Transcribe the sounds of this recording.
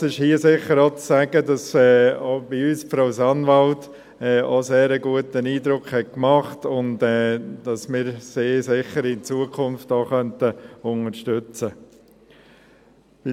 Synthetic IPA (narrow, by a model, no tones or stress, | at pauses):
ɪʃhiəsɪχəɾot͡ssæɡ̥ədɑsɛːob̥ɪyːsfɾɔʊsɑnʋɑlt | ɛːoseːɾəɡuətəniːdɾʊkχhɛt̚kmɑχtʊntɛːd̥ɑsmɪːɾseːsɪχəɾɪnt͡suəkʰʊnftoːχœntəʊnəɾʃtʏt͡sə | b̥ɪ